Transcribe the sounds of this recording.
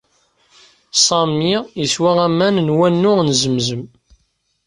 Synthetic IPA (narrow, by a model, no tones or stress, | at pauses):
sˤɑmijiswaʁæmːænnwænːʊʁnzəmzəm